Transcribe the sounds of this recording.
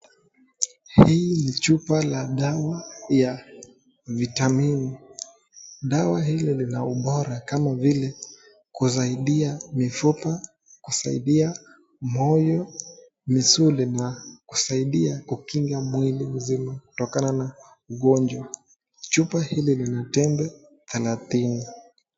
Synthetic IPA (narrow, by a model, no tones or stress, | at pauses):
hiːnit͡ʃupalaɗawaja | vitamini | ɗawahililinauɓɔɾakamavilɛ | kuzaiɗiamifupa | kusaḭɗia | mɔjɔ | misulinaku̥saiɗiakukiŋɡamwilim̩zimaku̥tɔkanana | uɠɔnd͡ʒwa | t͡ʃupahililinatɛnbɛ | θɛlaθini